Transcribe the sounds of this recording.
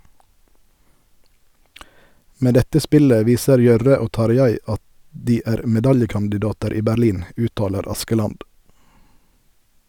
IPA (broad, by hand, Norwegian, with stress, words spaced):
ˈmeː ˈdɛtə ˈspɪlə ˈʋiːsəɾ ˈjœʁə ˈoː ˈtɑɾˌjæɪ ˈɑt ˈdiː ˈæːʁ mɛˈdɑljəkɑndɪˌdɑːtəɾ ˈiː bæɾˈliːn ˈʉːtˌtɑːləɾ ˈɑskəˌlɑnd